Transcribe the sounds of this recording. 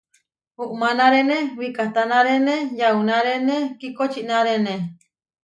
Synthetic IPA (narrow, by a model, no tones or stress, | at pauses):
huʔmanaɾenewikat̪anaɾenejaunaɾenekikot͡ʃiʔnaɾene